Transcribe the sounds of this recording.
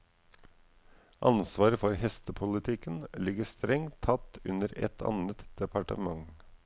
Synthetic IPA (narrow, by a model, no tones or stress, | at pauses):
ʔɑ̰nsʋɑːɾəfɔɾhɛst̪əpʰʊlɪt̪ʰɪkənlɪɡəst̪ɾɛŋt̪ʰːɑt̪ːʉ̰nəɾɛ̰t̪ʰɑ̰nət̪d̪̥ɛpʰɑʈə̰mɑŋ